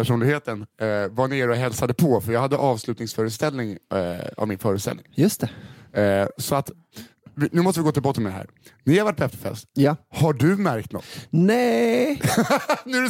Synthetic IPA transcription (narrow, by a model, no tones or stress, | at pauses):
pʰæʂuːnɪɡheːt̪ənvaɳeːɾɔɦɛlsad̪əpʰɔfœɾjɑːɡhad̪ːəʔɑːvslʉ̟ːt̪nɪŋsfœːɾəst̪ɛlːnɪŋa̰vmɪnfœːɾʉt̪st̪ɛ̰lnɪŋjɵst̪ɛ | sɔat̪ | vɪnʉ̟mɔst̪əvɪɡoːt̪ɪlbɑt̪ʰmɛd̪ɛɦæ̰ːɾ | nɪɾhaɾvaʈ̚ːbɛft̪ʰɔ̥fɛ̰lst̪jahaɖɵmæɾkt̪nɔ̰t̪ːnɛ | nʉ